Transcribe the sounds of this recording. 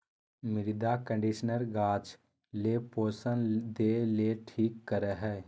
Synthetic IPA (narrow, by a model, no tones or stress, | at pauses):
mɪɾɪd̪akə̃ɳɖiʃnəɾɡaːt͡ʃ | lepoːsə̃nd̪eːleʈʰiːkːəɾəɦɛː